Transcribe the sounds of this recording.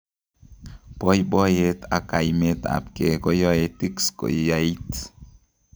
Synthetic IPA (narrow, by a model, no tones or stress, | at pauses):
pojbojet̪akajmet̪a̰pkekojoet̪iksko̰jjait